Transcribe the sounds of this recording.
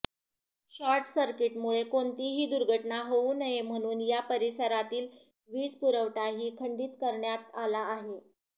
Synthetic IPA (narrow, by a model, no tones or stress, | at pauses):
ɕaɾʈsəɾkiʈmuɭekoɳt̪iːɦiːd̪uɾɡʱəʈɳaɦounəɦem̤əɽ̃uːnjapəɾisəɾat̪iːl | ʋiːd͡zpuɾəʋʈaɦiːkʰəɳɖiːt̪kəɾɳjat̪alaːɦe